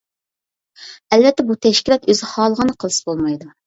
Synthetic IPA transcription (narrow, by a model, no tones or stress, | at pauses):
ɛlvɛt̪ːɛbut̪ʰɛʃkʲilˠɑt̪øzɪχɑːlˠəʁənɨqʰəlˠɨsɨ̥bolˠmɑjd̪u